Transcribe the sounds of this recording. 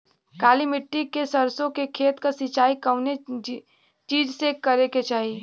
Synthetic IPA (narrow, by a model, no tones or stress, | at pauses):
kaːlimɪʈːikesɐɾsõkekʰeːt̪kasɪt͡ʃaːikɐʊne | t͡ʃiːd͡ʒsekɐɾeket͡ʃaːɦi